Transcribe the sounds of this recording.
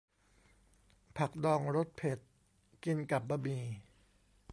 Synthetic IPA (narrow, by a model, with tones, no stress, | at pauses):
pʰa˨˩k̚dɔː˧ŋɾo˦˥t̪̚pʰe˨˩t̪̚ | ki˧nka˨˩p̚baː˧miː˧